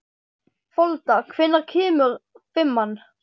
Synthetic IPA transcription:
fɔlt̪akʰvɪnːaɾkʰɛːmʏɾ | fɪmːan

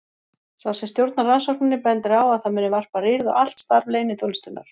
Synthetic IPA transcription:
θawsɛmst̪jowɾt̪naɾransɔɾ̥knɪnːɪpɛnt̪ɪɾawaðθamɪnːɪvar̥parɪɾðʏʔal̥t̪st̪aɾvleːjnɪθʊlst̪ʏnːa̰ɾ̥

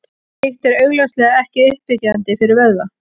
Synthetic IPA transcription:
hɪht̪ɛɾœɥɣlœwslɛːɣaɛhcɪʏhpɪcaðant̪ɪfɪɾɪɾvɛðva

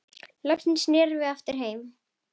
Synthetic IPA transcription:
lœkt̪ɪnsnɛːɾvɪðaft̪ɪɾ̥ɦeːjm

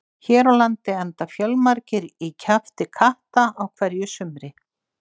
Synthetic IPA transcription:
çɛːɾawlant̪ɪɛnt̪afjœlmaɾcɪɾicʰaft̪ɪkʰaht̪aawkʰvɛɾjʏsʏmɾɪ

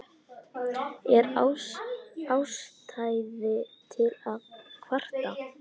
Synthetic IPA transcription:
ɛɾa | awst̪ʰajðɪt̪ʰɪlaðkʰvar̥t̪a

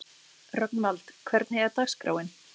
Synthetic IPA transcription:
rœknmalt̪kʰvɛɾt̪nheːɣaɾt̪axskɾa̰ːwɪn

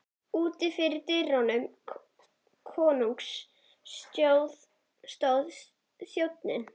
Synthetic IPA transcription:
uːt̪ɪfɪɾɪɾt̪ɪrawnʏm | kʰɔːnuŋks | st̪jowð | st̪owð | sjowt̪nɪ̰n

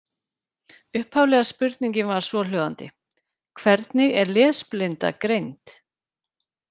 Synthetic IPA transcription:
ʏhphavlɛːɣaspʏɾt̪niɲcɪnvaɾ̥svɔlœːða̰nt̪ɪ̰ | kʰvɛɾt̪nɪɣɛɾlɛːðsplɪnt̪a̰kɾejnt̪

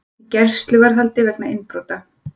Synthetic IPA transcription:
cɛr̥st̪lɪvaɾ̥ɦalt̪ɪvɛknaɪnpɾowt̪a

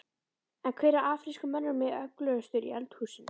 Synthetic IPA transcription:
ɛnkʰvɛːɾaʔaːfɾiskʏmɛnːʏɾmɛœklœɣʏst̪ʏɾḭɛlt̪huːsɪn

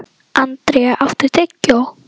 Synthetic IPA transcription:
ʔant̪ɾɛʔaft̪ɪɾ̥t̪ʰɛcːɔ

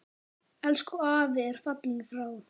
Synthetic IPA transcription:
ɛlskɔaːvɪɛɾ̥fat̪liŋfɾaːw

